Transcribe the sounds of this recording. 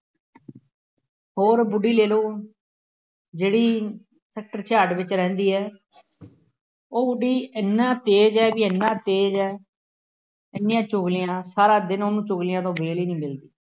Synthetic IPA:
hoːɾbʊɖiːleːloː | d͡ʒeːɽiː | sɛːk̚ʈəɾt͡ʃʰaːɖʋɪt͡ʃɾɛ̃ːnd̪iːɦɛː | oːbʊɖiːɪnːãːt̪eːd͡ʒɛːbiːɪnːãːt̪eːd͡ʒɛː | ɪnːɪjãːt͡ʃʊɡlɪjãːsaːɾaːd̪ɪnoːnũːt͡ʃʊɡlɪjãːt̪̬õːbeːliːnĩːmɪld̪iː

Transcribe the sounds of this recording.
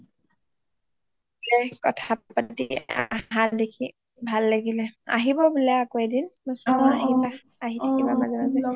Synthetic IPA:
ɛkɔ̰tʰapatḭa̰ɦadekʰi | bʱalːaɡilɛa̰ɦibɔbulɛakoɛdinnɔsɔnɔaɦia | aɦitʰkibamazɛmazɛ

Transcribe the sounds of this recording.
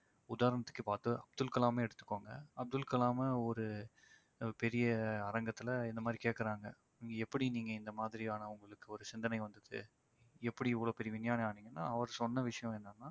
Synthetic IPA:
ʊðaːɾɐɳɐt̪ːɯ̥kːɯpaːt̪ːɯɐb̚d̪ɯlkɐlaːmeːɛɽɯt̪ːɯ̥kːoːŋɡɐ̰ɐb̚d̪ɯlkɐlaːmɐɔɾɯ | pɛɾɪjɐɐɾɐŋɡɐt̪ːɪlɐɪnd̪ɐmaːd̪ɾikeːʈkɐɾaːŋɡɐ | ɡɛpːɐɽiniːŋɡɐɪnd̪ɐmaːðɪɾiaːnɐʊŋɡɐɭɯkːɯɔɾɯsɪnd̪ɐnɐɪʋɐnd̪ɯðɯ̰ | ɛpːɐɽiɪʋːɐɭoːpɛɾɪjɐʋɪnjaːnɐaːniːŋɡɐnːa̰ːɐʋɐɾsɔnːɐʋɪʂɐjɐ̃ɛnːanːaː

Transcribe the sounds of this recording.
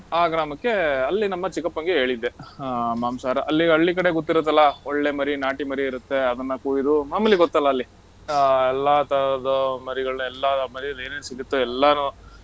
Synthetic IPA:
aːɡɾaːmɐkːe̞ɐlːinɐmːɐt͡ʃikɐpːɐŋɡeɦe̞ːɭid̪ːe̞maːmsaːɾɐʔɐlːiɐɭːikɐɽe̞ɡot̪ːiɾut̪ːɐlːɐoɭːe̞mɐɾinaːʈimɐɾiːɾut̪ːe̞ɐd̪ɐnːɐkuːjid̪umaːmɐlːiɡɔt̪ːɐlːɐːlːi | ɛlːat̪ɐɾɐd̪ɐmɐɾiɡɐɭɐnɐɛlːɐmɐɾiɐd̪eːneːnsiɡit̪ːuɛlːɐnu

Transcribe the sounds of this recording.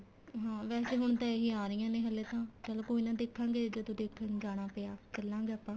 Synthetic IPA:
ɦãːʋɛːseːɦʊɳ̃t̪ãːeɦiːaːɾɪjãːnẽːɦəlːeːt̪ãːt͡ʃəlõːkoːinãːd̪eːkʰːãːŋɡeːd͡ʒoːt̪õːd̪eːkʰãd͡ʒaːɽ̃aːpɪjaːkəlːãːŋɡeːəpːãː

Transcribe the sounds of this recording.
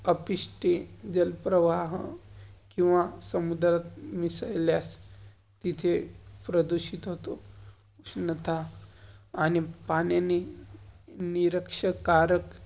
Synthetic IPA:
əpiʂʈed͡ʑəlpɾəʋaɦ | kĩw̃ʋasəmud̪ɾat̪misəjljas | t̪it̪ʰepɾəd̪uɕit̪ɦot̪o | uʂnət̪ʰaː | nipanjani | niɾəkʂəkaɾək

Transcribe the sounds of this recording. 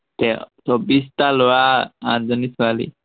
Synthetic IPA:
t̪et͡sɔbist̪aloaã̰d͡zənisʰʋalḭ

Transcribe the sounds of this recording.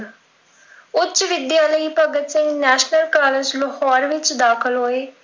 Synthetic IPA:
ʊt͡ʃːʃʋɪd̪jaːləiːpəɡət̪sɪ̃ŋnɛːʃnəlkaːləd͡ʒləhɔːɾʋɪt͡ʃd̪aːkʰəlɦoːeː

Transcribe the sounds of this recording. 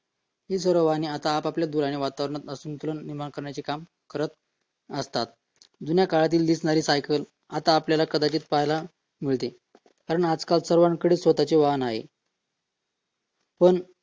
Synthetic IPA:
ɦisəɾoʋaniːat̪aːpapljad̪uɾaɽ̃iʋat̪aʋɾəɳ̃at̪əsuːnt̪ulənniɾmaɳkəɾɳjat͡ɕikam | kəɾət̪̚ | əst̪at̪̚ | d̪unjakaɭat̪̬iːld̪iːsnaɾiːsajkəl | at̪aːpljalakəd̪at͡ɕiːt̪pajla | miɭt̪e | kaɾəɳad͡zkalsəɾʋaɳkəɽeːsʋət̪at͡ɕeʋanaɦḛ | pəɳ

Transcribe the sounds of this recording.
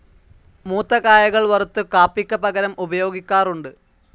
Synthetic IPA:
muːt̪ːɐkaːjɐɣɐɭʋɐrut̪ːɨkaːpːikʲːɐbɐɡɐɾɐmʔubɐjo̞ːɡikʲːaːruɳɖɨ

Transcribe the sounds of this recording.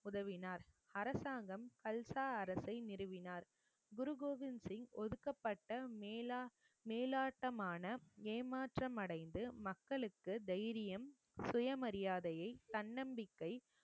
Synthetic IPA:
ʊðɐʋɪnaːɾ | ɐɾɐsaːŋɡɐmkɐlsaːɐɾɐsɐɪnɪɾɯʋɪnaːɾ | ɡʊɾɯɡoːʋɪnsɪŋɔðɯkːɐpːɐʈːɐ | meːlaːʈːɐmaːnɐeːmaːʈrɐmɐɽɐɪnd̪ɯmɐkːɐɭɯkːɯd̪ɐjɾɪjɐm | sʊjɐmɐɾɪjaːðɐjɐɪt̪ɐnːɐmbɪkːɐɪ

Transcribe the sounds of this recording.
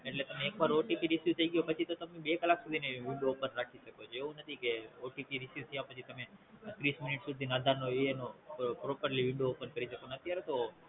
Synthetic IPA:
eʈlet̪əmẽːkʋaɾoʈipiɾɪsjut̪ʰəiɡijopət͡ʃʰit̪ot̪əmebekəlaksud̪ʱineʋɪ̃ɳɖoːpənɾakʰiʃəkot͡ʃʰeeũnət̪ʰikeoʈipiɾɪsjut̪ʰjapət͡ʃʰit̪əmet̪ɾismɪnɪʈsud̪ʱinːd̪ʱaɾnoenopɾopəɾliʋɪ̃ɳɖoːpənkəɾiʃəkonət̪jaɾet̪o

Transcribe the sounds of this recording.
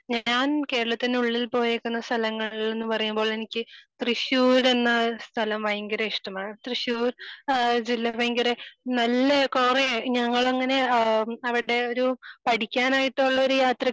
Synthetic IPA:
ɲaːnke̞ːɾɐɭɐt̪ːinuɭːilpo̞ːjekːunːɐst̪ʰɐlɐŋːɐɭiɭe̞nːɨpɐrɐjumbo̞ːɭe̞nikʲːɨt̪riɕuːɾe̞nːɐst̪ʰɐlɐmʋɐjɐŋɡɐɾɐiʂʈɐmaːɳt̪riɕuːɾd͡ʑilːɐʋɐjŋɡɐɾenɐlːekoːreɲɐŋːɐɭɐŋːɐneɐʋiɽe̞o̞ɾupɐʈʰikʲːaːnaːjiʈːouɭːɐoɾujaːt̪rɐ

